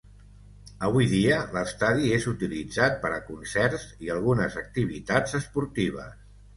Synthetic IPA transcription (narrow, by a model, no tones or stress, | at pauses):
əβujðiələst̪aðiezut̪ilid͡zat̪̚pəɾəkunsɛrziəlˠɣunəzək̚t̪iβ̞it̪ad͡zəspuɾt̪iβ̞ə̰s